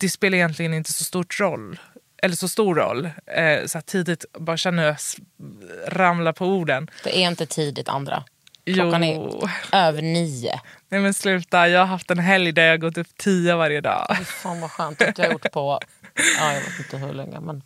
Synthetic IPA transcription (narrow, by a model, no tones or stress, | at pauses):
d̪̥ɛspeːlaɾɪjɛnt̪lɪɡənɪnt̪ə̥sɔst̪uːʈɾɔlː | ʔɛlːəʂɔst̪uːɾːɔ̰lːsɔat̪ʰːiːd̪ɪt̪bɑːɾaɕɛnːəjas | ɾamlaɾpʰɔuːɖənd̪̥ɛ̰ʔɛɾɪnt̪ət̪ʰiːd̪ɪt̪ʰa̰nd̪ɾa̰ | juːaɛøːvəɳiːʊ̰nɛmɛnslʉ̟ːt̪ajɑːɡhaɾɦaft̪ɛnɦɛljd̪aɾjɑhaɡɔt̪ːɵpːt̪ʰiːʊvaɾjəd̪ɑ̰ːfɪfaːnvaɧœːnt̪jahajʊʈːpʰɔ | aːjaɡvḛːt̪ːɪnt̪əɦɵ̰ɭɛ̰ŋːə̰mɛn